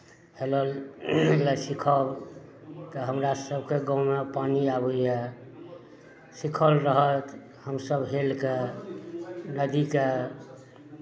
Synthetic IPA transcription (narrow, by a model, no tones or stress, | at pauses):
heləleləsikʰəb | t̪əɦəmɾasəb̚keɡɔ̃mepaniabəjɛ | sikʰəlɾəɦət̪ | həmsəbɦelke | nəd̪ike